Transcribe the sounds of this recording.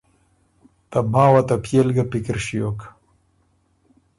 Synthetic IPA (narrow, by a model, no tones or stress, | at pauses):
t̪amãːwat̪apʰjelɡapikɾʃijok